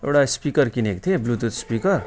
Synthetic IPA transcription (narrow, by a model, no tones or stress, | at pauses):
ḛwʈaspikʌrkinekt̪ʰeblut̪ut̪spikʌr